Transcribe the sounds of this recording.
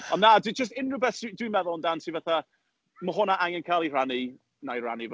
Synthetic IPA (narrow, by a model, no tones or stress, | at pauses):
ɔnːaːdd͡ʒəs̬tɪnrʊbɛθsidwimɛðʊlˠəndansʰivaθa | məɦʊnaʔaŋɛnkʰalˠir̥ani | najr̥a̰niv